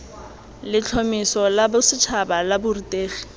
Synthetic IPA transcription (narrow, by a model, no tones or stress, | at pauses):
lɪt͡ɬʰɔmɪsɔlabʊsɪt͡ʃʰabalabʊritʼeːχi̥